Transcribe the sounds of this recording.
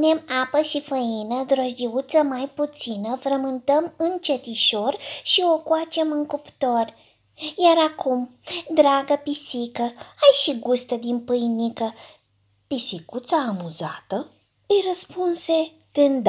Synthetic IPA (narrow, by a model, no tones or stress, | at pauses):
nemapəʃifəinəd̪ɾoʒʲiut̪səmajput̪sinəfɾəmɨnt̪əmɨnt͡ʃet̪iʃorʃio̞kwat͡ʃe̞mɨŋkupt̪o̞rʲ | jaɾakʰumd̪ɾaɡəpisikəajʃiɡust̪əd̪impɨjnikə | pisikut̪saːmuza̰t̪ə | ɨjrəspunse̞ | t̪ɨnd̪